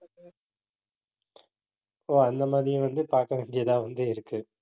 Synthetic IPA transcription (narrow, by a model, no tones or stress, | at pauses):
oːɐnd̪ɐmaːðɪjɯ̃ʋɐnd̪ɯpaːɾkɐʋɪɳɖɪjɐt̪ãːʋɐnd̪ɯɪɾɯkːɯ